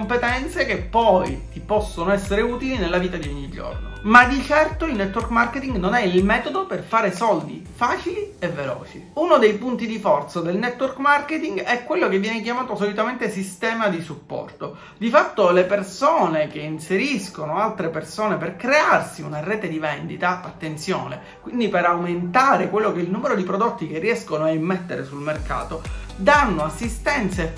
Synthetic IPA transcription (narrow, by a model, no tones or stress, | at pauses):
ompet̪ɛnt̪sekepːɔjt̪ipɔsːonoɛsːeɾeuːt̪ilinelːaviːt̪ad̪ioɲːid͡ʒo̰rno̰mad̪it͡ʃɛrt̪oilnɛt̪ːwɔrkmarket̪iŋɡnonɛilmɛːt̪od̪operfaːɾesɔld̪ḭfaːt͡ʃilievːelɔ̰ːt͡ʃiunod̪ejpunt̪id̪ifɔrt̪sad̪elnɛt̪ːwɔrkmarket̪iŋɡɛkːwelːokevːjɛːnek̬jamaːt̪osolit̪ament̪esist̪ɛːmad̪isupːɔ̰rt̪o | d̪ifat̪ːolepersoːnek̟einseɾiskonoalt̪ɾepersoːneperkɾearsiunarɛːt̪ed̪ivɛnd̪it̪aʔat̪ːent̪sjoːnḛ | kwind̪ipeɾawment̪aːɾekwelːokeilnuːmeɾod̪ipɾod̪ot̪ːik̟erːiɛskonoaimːet̪ːeɾesulmerka̰ːt̪od̪anːoasːist̪ɛnt̪se